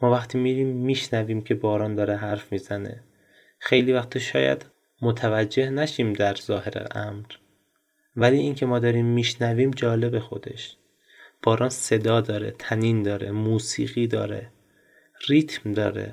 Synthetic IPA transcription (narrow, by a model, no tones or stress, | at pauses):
mɒːvæxt̪ʰiːmiːɾiːmːiːʃnæviːmcʰe̞bɒːɾɒːnd̪ɒːɾeɦæɾfmiːzænḛ | xejliːvæxt̪ʰiʃɒ̰ːjæ̰d̪ | mot̪ʰævæd͡ʒːe̞hnæʃiːmd̪æɾzɒːhe̞ɾḛʔæmɾ | væliːiːŋcʰe̞mɒːd̪ɒːɾiːmːiːʃnæviːmd͡ʒɒːle̞be̞xo̞̰d̪e̞̰ʃ | b̥ɒːɾɒːnse̞d̪ɒːd̪ɒːɾḛt̪ʰæniːnd̪ɒːɾḛmuːsḭːɣiːd̪ɒ̰ːɾḛ | riːt̪ʰmd̪ɒːɾḛ